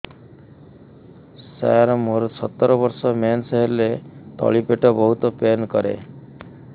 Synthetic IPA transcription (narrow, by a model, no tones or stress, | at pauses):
sa̰ɾɔmoɾsɔt̪ːɔɾɔbɔɾsɔmansɔɦeɾlet̪ɔ̰ɭipeʈɔbɔɦut̪ɔpenkɔɾḛ